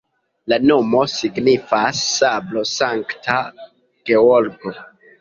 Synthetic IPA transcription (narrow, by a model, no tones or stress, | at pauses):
lano̞mo̞siɡnifasːablo̞saŋktʰa | ɡ̥e̞oɾɡo̞